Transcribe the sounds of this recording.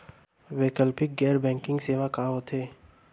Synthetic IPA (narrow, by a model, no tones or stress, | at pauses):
ʋeːkəlpɪk̚ɡɛːɾbɛ̃ːŋkɪ̃ŋɡseːʋakaːɦot̪ʰeː